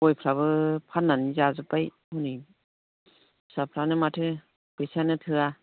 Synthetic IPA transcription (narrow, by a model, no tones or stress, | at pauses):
ɔjpʰɾaβɯpʰanːanizazɯpaj | huni | sapʰɾanɯmatʰɯ | b̥esanɯtʰɯa